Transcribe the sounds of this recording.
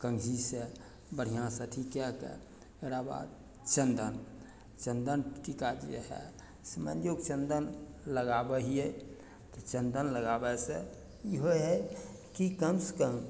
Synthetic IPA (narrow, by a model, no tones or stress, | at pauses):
kəŋɡɦise | bəɽ̤ijãsət̪ʰikɛkɛ̰ | eɾaba̰d̪̚ | t͡ʃənd̪ən | t͡ʃənd̪ənʈikad͡ʒḛɦɛ̰ | səmə̰nd̪jokt͡ʃənd̪ənləɡabəɦiɛ | t̪ɔt͡ʃənd̪ənləɡabɛse | iɦoɦɛ | kikəmskəm